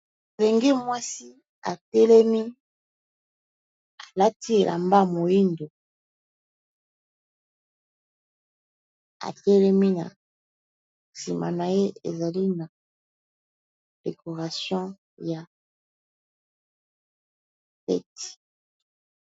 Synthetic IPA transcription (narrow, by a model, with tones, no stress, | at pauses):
le˨ŋɡi˦mwa˦si˦ | a˨tɛ˦lɛ˦mi˦ | a˨la˦ti˦e˨lʔa̰˨mba˦mo˨ji˦ndo˨ | a̰˨tɛ˦lɛ˦mi˦na̰˨ | si˨ma̰˨na˨je˦ḛ˨za˨li˦na˨ | d̥e˨kʰo˨ʁa˨sjɔ̃˦ | ja˨ | fɛ̰˦ti̥˨